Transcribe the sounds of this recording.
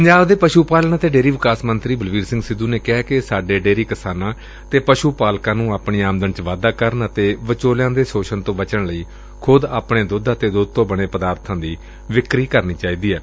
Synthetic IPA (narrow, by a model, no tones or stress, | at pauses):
pəɲd͡ʒaːbd̪eːpəʃuːpaːlnaːt̪eːɖeːɾiːʋɪkaːsmənt̪ɾiːbəlʋiːɾsɪ̃ŋɡsɪd̪uːneːkɛɛːkɪsaːɖeːɖeːɾiːkɪsaːnãː | t̪eːpəʃuːpaːlkãːnũːaːpɳiːaːmd̪ənt͡ʃʋaːd̪aːkəɾənət̪eːʋət͡ʃoːljãːd̪eːsoːʃənt̪õːʋət͡ʃəɳləiː | kʰʊd̪aːpɳeːd̪ʊd̪aːt̪eːd̪ʊd̪̚t̪õːbəɽ̃eːpəd̪aːɾt̪ʰãːd̪iː | ʋɪkɾiːkəɾniːt͡ʃaːiːd̪iːɛː